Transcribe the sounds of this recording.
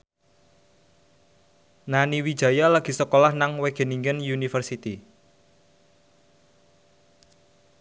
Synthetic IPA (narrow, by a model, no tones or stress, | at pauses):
naniwid̥ʒ̥ä̤jalaɡ̥i̤səkolahnaŋweɡ̥e̤niŋɡənjunifərsit̪i